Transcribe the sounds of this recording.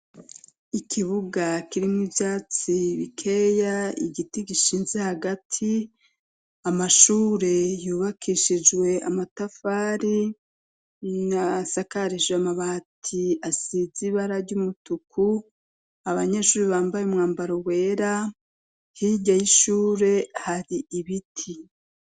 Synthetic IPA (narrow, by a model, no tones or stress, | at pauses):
ikʰiβuɡakiɾimŋwivjaːt͡siβikʰe̞jaḭɡitiɡiʃiːnze̞haɡatʰi | amaʃuːɾe̞juːβakʰiʃid͡ʒwe̞a̰matafaːɾi | nasakaɾiʃamaβaːtʰiasiziβaɾaɾɟumutukʰu | aβaɲe̞ʃuːɾiβaːmbajeumŋaːmbaɾowe̞ːɾa | hiɟajiʃuːɾe̞haɾiʔiβitʰi